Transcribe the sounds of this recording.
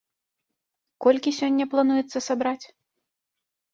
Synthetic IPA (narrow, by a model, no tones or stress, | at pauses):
kɔlʲkʲisʲɔnʲːɐplˠanujɛt̪sːɐsabɾat͡sʲ